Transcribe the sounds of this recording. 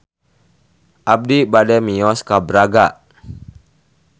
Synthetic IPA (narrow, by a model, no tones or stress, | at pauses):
ʔab̚dibadɛmiɔskabɾaɡa